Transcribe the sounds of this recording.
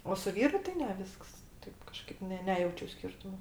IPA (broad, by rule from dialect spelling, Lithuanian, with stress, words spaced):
oː sʊ ˈʋʲiːrʊ tɐɪ ˈnʲɛ ˈʋʲɪsks ˈtɐɪp kɐˈʃkɐɪp nʲɛ ˈnʲæːjɛʊt͡ʃʲʊ ˈsʲkʲɪrtʊmoː